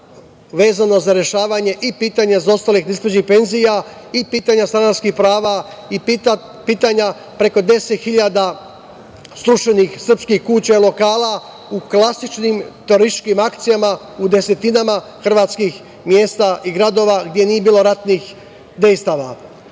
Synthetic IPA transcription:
ʋe̞ːzano̞zaɾje̞ʃaːʋaɲe̞ʔipiːt̪aɲezo̞st̪alixnesped͡ʑixpe̞nzijaipiːt̪aɲast̪ɾanaskixpɾaːʋa | i | piːt̪aɲa | pɾe̞ko̞d̪e̞set̪xiʎad̪a | st̪ɾuʃenixsr̩pskixkut͡ɕailo̞kaːlˠa | uklˠasit͡ʃnimt̪oɾist͡ʃkimakt̪sijama | ud̪e̞se̞t̪inama | xr̩ʋaːt̪skix | mje̞ːst̪aʔiɡɾad̪o̞ʋaɡd̪ʲje̞jnijebiːlo̞ɾat̪nix | d̪e̞jst̪aʋa

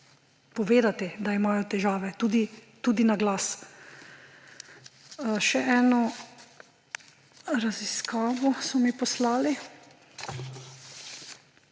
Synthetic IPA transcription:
pɔʋeːd̪at̪ɛd̪aimaːjɔt̪ɛʒaːʋɛt̪uːd̪it̪uːd̪inaɡlaːs | ʃɛʔɛːnɔ | ɾaziskaːʋɔsɔmipɔslaːli

